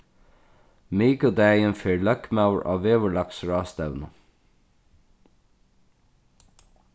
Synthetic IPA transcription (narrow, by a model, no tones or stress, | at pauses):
miːkəd̪æənfeːɹlœkmaʉɹʔɑ̰ːʋeːʋəɭɑksɹɑːst̪æʋnə